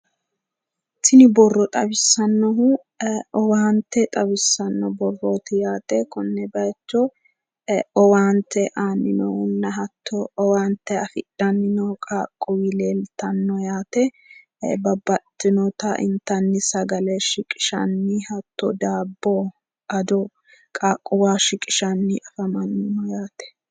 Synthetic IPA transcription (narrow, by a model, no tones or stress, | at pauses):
t̪ʰːɪnɪbɔrːɔt̪ʼɐbɪsːɐnːɔɦʊ | ɔwaːnt̪ːɛt̪ʼɐbɪsːɐnːɔbɔrːoːt̪ɪjaːt̪ɛkɔnːɛbɐt͡ʃːɔ | ɔwaːnt̪ʰɛʔaːnːɪnɔhʊnːɐɦɐt̪ːɔwaːnt̪ːɛɐfɪd̥ɐnːɪnɔkʼaːkʼːɔwileːlt̪ɐnːɔjaːt̪ɛ | bɐbːɐt̪ːɪnɔt̪ɐʔɪ̰nt̪ːɐnːɪsɐɡɐlɛʃɪkʼɪ̥ʃɐ̰nːɪhɐt̪ːɔ̰d̪aːbːo | ʔɐd̪ɔ | kʼaːkʼːʊwaːʃɪkʼɪʃɐnːɪʔɐfɐmɐnːɪnɔjaːt̪ɛ̥